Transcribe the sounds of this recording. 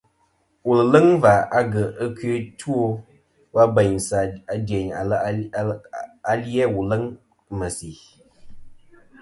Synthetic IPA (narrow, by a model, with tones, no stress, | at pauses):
wu˨lə˨lə˦ŋva˨a˦ɡə˨ʔə˦kɥe˨˦tu˦o˦ | wa˦bə˨ɲsa˨a˨de˨ɲa˨l | a˦ljɛ˦wu˨lə˦ŋ | mə˨si˨